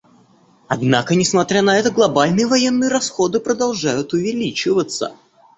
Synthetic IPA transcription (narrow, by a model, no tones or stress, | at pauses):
ɐd̪nakənʲɪsmɐt̪ɾʲanɐɛt̪əɡlˠɐbalʲnɨjəvɐje̞nːɨjəɾɐsxo̞d̪ɨpɾəd̪ɐlˠʐajʊt̪ʊvʲɪlʲit͡ɕɪvət̪sə̰